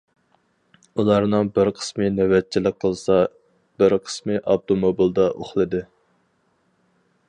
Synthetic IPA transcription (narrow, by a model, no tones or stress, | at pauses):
ulˠɑɾnɨŋbɪɾqʰə̥smɨnɛwɛt̪̚t͡ʃʰːilɪk̚ʲqʰːəlˠsɑ | b̥ɪɾqʰə̥smɨʔɑb̚t̪ʰomobilˠd̪ɑʔoχlˠɨd̪ɨ